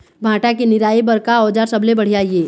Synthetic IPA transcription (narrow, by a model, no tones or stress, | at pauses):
bʱãːʈakenɪɾaːibɐɾkaɔːd͡ʒaːɾsɐblẽbɐɽ̤ijaːieː